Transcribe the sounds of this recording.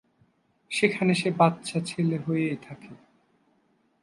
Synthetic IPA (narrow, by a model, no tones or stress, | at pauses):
ʃekʰaneʃebatːɕʰat͡ɕʰeleɦojejt̪ʰake